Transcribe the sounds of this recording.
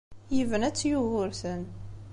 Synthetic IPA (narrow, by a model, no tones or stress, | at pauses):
jəvənæt͡sːjuɣʊɾθən